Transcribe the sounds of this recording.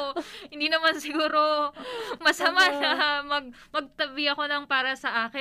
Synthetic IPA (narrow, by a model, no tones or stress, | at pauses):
hɪnd̪iːnɐmansɪɡuːɾo | mɐsɐmaʃamɐɡ̚mɐɡ̚t̪ɐbɪɐko̞nɐŋpaːɾɐsɐʔaːkɪ